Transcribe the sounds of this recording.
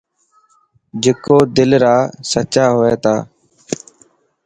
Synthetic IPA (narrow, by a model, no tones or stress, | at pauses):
d͡ʒɪkoːd̪ɪlɾaːsət͡ʃaːɦoːeːt̪aː